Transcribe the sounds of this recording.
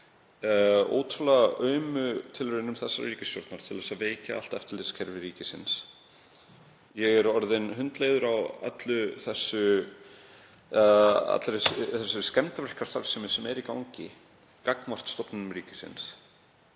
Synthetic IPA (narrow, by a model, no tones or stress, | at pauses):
o̰ːwt̪ɾʏlaɣʔœɥmʏt̪ʰɪlvɪɾɪnʏmθɛsːariːcɪsjɔ̰ɾ̥t̪naɾ̥t̪ʰɪlðɛsaveːjca̰a̰l̥t̪ɛft̪ɪlɪskʰɛɾvɪɾiːcɪsɪ̰ns | jɛɣɛɾɔɾðɪnhʏnt̪leːjðʏɾawa̰t̪lʏθɛsːʏ | a̰t̪lsθɛsːʏskcɛnt̪avɾɛhkḁst̪aɾsɪmɪsɛmɛɾikawŋcɪ | kaknvar̥t̪st̪ɔpnʏmɾiːcɪsɪ̰ns